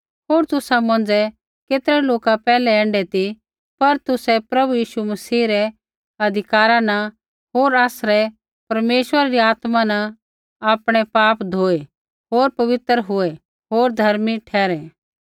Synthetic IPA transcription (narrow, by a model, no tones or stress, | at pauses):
ɦoːɾt̪ʊsamɐ̃nd͡zɛ | keːt̪ɾɛloːkapɛːlɛɛ̃ːɳɖɛt̪i | pɐɾt̪ʊsɛpɾɐbujiːʃumɐsiːɾɛ | ɐd̪ʱɪkaːɾãnɐ | ɦoːɾaːsɾɛ | pɐɾmeːʃwəɾaɾiaːt̪mãnɐ | aːpɽ̃ɛpaːpd̪ʱoːe | ɦoːɾpɐʋɪt̪ɾɦʊɛ | ɦoːɾd̪ʱɐɾmiʈʰɛːɾɛ